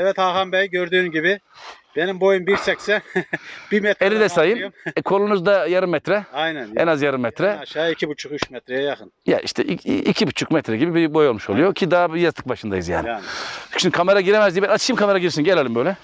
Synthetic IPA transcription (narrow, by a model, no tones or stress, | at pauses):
ɛvɛt̪haxambɛjɟøɾd̪yːmɟibɪb̥enimbo̞jumbiɾsɛksɛb̥imɛt̪elʲid̪ɛsajɯmɛkʰo̞lˠunuzd̪ajaɾɯmːɛt̪ɾɛajnænɛ̰nazjaɾɯmːɛt̪ɾɛʃaːicʰibut͡ʃʰukyt͡ʃmɛt̪ɾɛjɛjaxɯnja̰ḭʃt̪ʰɛʔiicʰibut͡ʃʰukmɛt̪ɾɛɟibibibo̞jolˠmuʃo̞lˠujocʰid̪abijazt̪ɯ̥k̚baʃɯnd̪a̰jɯzja̰ːninʃynd̪kʰameɾaɟiɾemɛzd̪ibɛnat̪ʰɯʃɯːmkʰameɾaɟiɾsinɟelʲelʲimbøjlʲɛ